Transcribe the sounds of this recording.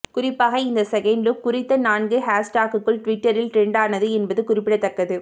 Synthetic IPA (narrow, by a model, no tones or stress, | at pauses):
kʊrɪpːaːɣɐɪnd̪ɐsɛɣɛɳɖɯkʊrɪt̪ːɐnaːnɡɯɦaːsʈaːkɯkːɯɭʈʊʋɪʈːɐɾɪlʈɾɛɳɖaːnɐðɯɛnbɐðɯkʊrɪpːɪɽɐt̪ːɐkːɐðɯ